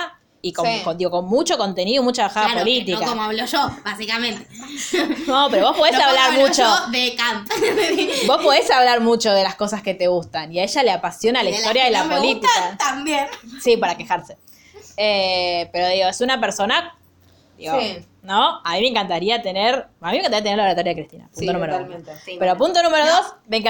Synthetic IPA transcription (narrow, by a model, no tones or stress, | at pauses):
ikokond̪iɣo̞konmut͡ʃo̞ko̞nt̪e̞niðomut͡ʃaβaxaðapolit̪ikaomoaβloʃobasikamẽnt̪e | nopeɾo̞βospoðesaβlaɾmut͡ʃoðekamt̪ | bo̞spo̞ðesaβlaɾmut͡ʃo̞ðe̞lasko̞saske̞t̪eɣust̪aniaeʒaleapasjo̞nalaist̪o̞ɾjaðelapolit̪iat̪ambjensipaɾake̞xaɾse | epeɾoðiɣo̞esunapeɾso̞na | d̪ḭɣo | nõamimẽŋkant̪aɾiat̪e̞neɾamimẽŋkanaɾiat̪̬eneɾlaβat̪oɾjaekɾist̪ina̰punt̪onumeɾalmẽt̪epeɾo̞punt̪onũmeɾoðosmeŋk